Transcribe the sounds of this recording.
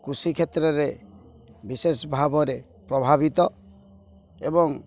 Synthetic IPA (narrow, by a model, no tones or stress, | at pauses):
kɾusikʰet̪ɾɔɾe | bisesɔbʱabɔɾe | pɾɔbʱabit̪ɔ | ebɔŋ